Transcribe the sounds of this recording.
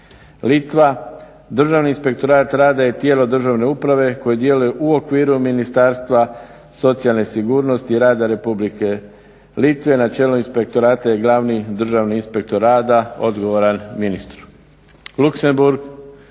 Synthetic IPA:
lit̪ʋa | d̪r̩ʒaʋniːnspe̞k̚t̪o̞ɾaːt̪ɾaːd̪aje̞t̪je̞ːlo̞d̪r̩ʒaʋne̞upɾaʋe̞ko̞jid̪je̞lujeʔuo̞kʋiːɾuminist̪aːɾst̪ʋa | so̞t̪sialne̞siɡuːɾno̞st̪iɾaːd̪aɾe̞publike̞ | lit̪ʋe̞nat͡ʃe̞ːloinspe̞k̚t̪o̞ɾaːt̪aje̞ɡlˠaːʋnid̪r̩ʒaʋniinspe̞k̚t̪o̞ɾaːd̪ao̞d̪ɡo̞ʋoɾanminist̪ɾu | lukse̞mbuɾɡ

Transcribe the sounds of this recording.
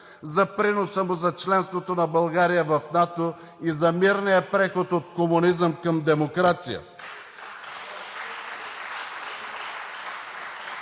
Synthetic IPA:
zɐpɾinosəmozɐt͡ʃlɛnst̪vot̪onɐbɐlˠɡaɾijəvɐfnat̪o | izɐmiɾnijəpɾɛxot̪ot̪komʊnizəmkɐmd̪ɛmokɾat̪sijə̰

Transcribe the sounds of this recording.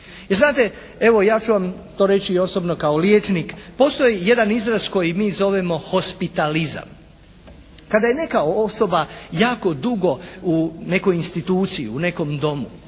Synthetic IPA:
jeɾznaːt̪e̞ | e̞ʋo̞jaːt͡ʃuʋamt̪o̞ːɾe̞t͡ɕiːo̞so̞bno̞kaoljeːt͡ʃnikpo̞ːst̪o̞jije̞d̪anizɾazko̞jimiːzo̞ʋemo̞xo̞spit̪aliza̰m | kad̪aje̞ne̞kaoso̞bajaːko̞d̪uɡo̞une̞ko̞jinst̪it̪uːt̪sijḭune̞ko̞md̪o̞mu

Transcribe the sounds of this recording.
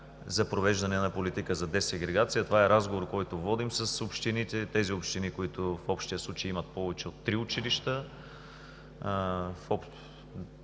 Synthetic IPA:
zɐpɾovɛʒd̪ɐnɛnɐpolit̪ikəzɐd̪ɛsɛɡɾɛɡat̪sijət̪ovaɛɾazɡovoɾkɔjt̪ovɔd̪imsɐsopʃt̪init̪ɛt̪ɛziopʃt̪inikoit̪ʊfɔpʃt̪ijəslˠut͡ʃejimɐt̪̚pɔvɛt͡ʃɛot̪ːɾiʊt͡ʃiliʃt̪ə | fɔp

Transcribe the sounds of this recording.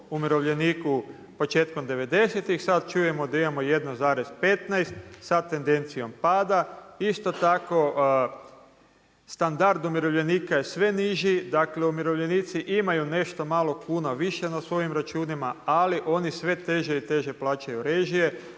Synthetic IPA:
umiɾo̞ʋʎe̞niːku | po̞t͡ʃe̞ːt̪ko̞md̪e̞ʋe̞d̪e̞set̪ixsat̪̚t͡ʃuːje̞mo̞d̪aimamo̞je̞d̪nozaːɾe̞zpe̞t̪najst̪sat̪e̞nd̪e̞nt̪sijo̞mpaːd̪aist̪o̞t̪ako̞ | st̪and̪aɾd̪umiɾoʋʎe̞niːkaje̞sʋe̞niʒid̪akle̞umiɾo̞ʋʎe̞niːt̪siʔimajune̞ʃt̪omaːlˠo̞kuːnaʋiʃe̞nasʋo̞jimɾat͡ʃuːnimaaliʔo̞nisʋe̞t̪e̞ʒe̞it̪e̞ʒe̞plˠaːt͡ʃajuɾe̞ʒije̞

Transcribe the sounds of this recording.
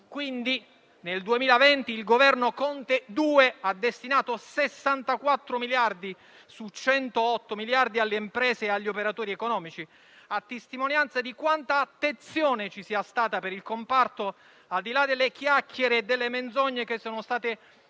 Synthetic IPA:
kwind̪i | neld̪uemiːlavɛnt̪iːlɡovɛrnokɔnt̪ed̪uːead̪ːest̪inaːt̪osesːant̪akwat̪ːɾomiljard̪i | sut͡ʃɛnt̪oɔt̪ːomiljard̪ialːeimpɾɛːzeːaʎːiopeɾat̪oːɾiɛkonɔːmit͡ʃi | at̪ːest̪imonjant̪sad̪ikwant̪aːt̪ːent̪sjoːnet͡ʃisiːast̪aːt̪apeɾilkompart̪o | ald̪ilad̪elːekjakːjeɾeːd̪ːelːemend̪zoɲːek̟esːoːnost̪aːt̪e

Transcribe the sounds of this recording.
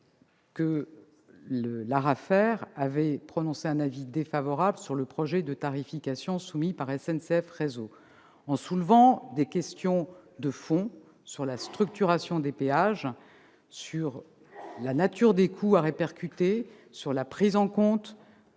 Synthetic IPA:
kə | ləlaʁafɛʁavɛpχɔnɔ̃seɛ̃navid̪efavɔʁabləsyʁləpχɔʒɛd̪ət̪aʁifikʲasjɔ̃sumipaʁɛsɛnseɛfʁezo | ɑ̃sulvɑ̃d̪ekʲɛst̪jɔ̃d̪əfɔ̃ | syʁlast̪χyk̚t̪yʁasjɔ̃d̪epeaʒ | syʁ | lanat̪yʁd̪ekʰuaʁepɛʁkʲyt̪e | syʁlapχizɑ̃kɔ̃t̪

